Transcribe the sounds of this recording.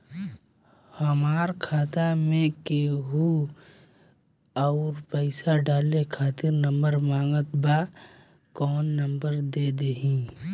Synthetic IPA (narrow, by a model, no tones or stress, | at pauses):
hɐmaːɾkʰaːt̪amẽkeɦu | ɔːɾpəɪsaɖaːlekʰaːt̪ɪɾnɐ̃mbəɾmãːŋɡət̪ba | kɔːnːɐ̃mbəɾd̪ed̪eɦĩː